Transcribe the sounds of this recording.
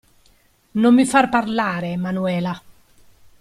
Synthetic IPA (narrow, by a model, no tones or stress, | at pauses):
nomːifaɾpaɾlaːɾemanuɛːla